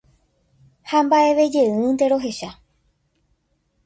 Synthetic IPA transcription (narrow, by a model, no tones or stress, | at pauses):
hambaʔe̞ʋe̞d͡ʒe̞ɨ̃nt̪e̞ɾo̞ɦe̞ʃa